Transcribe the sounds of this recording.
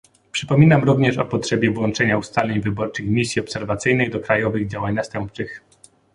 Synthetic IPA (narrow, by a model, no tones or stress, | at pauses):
pʂɘpɔmʲinamɾuvɲɛʂɔ̰pɔtʂɛbʲjɛvwɔntt͡ʂɛɲaust̪alʲeɲvɘbɔɾt͡ʂɘxmʲisʲjiɔpsɛɾvat̪sɘjnɘjd̪ɔkɾajɔvɘɣd͡ʑawaɲnast̪ɛmp̚t͡ʂɘx